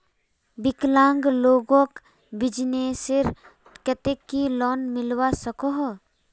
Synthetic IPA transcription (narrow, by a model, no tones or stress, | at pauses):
bɪklãːŋɡloːɡõk | bɪd͡ʒnesɪɾ | kət̪ekːilɔːnmɪlwasəkoɦ